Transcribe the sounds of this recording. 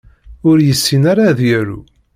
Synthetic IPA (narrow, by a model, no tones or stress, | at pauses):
ʊɾjəsːinaɾaðjəɾṵ